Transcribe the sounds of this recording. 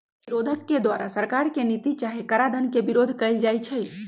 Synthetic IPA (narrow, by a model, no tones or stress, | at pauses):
ɾoːd̪ʱəkːed̪waːɾasəɾkaːɾkenit̪it͡ʃaːɦekɐɾad̪ʱənkebɪɾoːd̪ʱkɐild͡ʒaːit͡ʃʰɛ